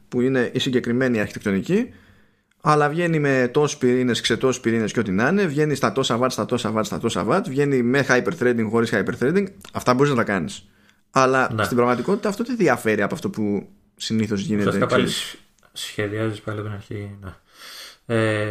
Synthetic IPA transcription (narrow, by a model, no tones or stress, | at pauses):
puine̞ʔisiɲɟe̞kɾime̞niɐɾçit̪ek̚t̪onici | ɐlɐvʝe̞nime̞t̪o̞sspiɾine̞skse̞t̪o̞sspiɾine̞sceo̞t̪inɐne̞vʝe̞nist̪ɐt̪o̞sɐvɐt̪st̪ɐt̪o̞sɐvɐt̪st̪ɐ̰t̪o̞sɐ̰vɐt̪vʝe̞nime̞xajpeɾθɾed̪iŋɡxo̞ɾisxɐjpeɾθɾejd̪iŋɡɐft̪ɐbo̞ɾiznɐt̪ɐkɐnis | ɐlɐst̪ibɾɐɣmɐt̪iko̞t̪i̥t̪ɐːft̪ot̪eðiɐfe̞ɾiɐpoɐft̪o̞pu | siniθo̞zʝineeɐ | sçeðiɐzispɐliot̪inɐɾçine | e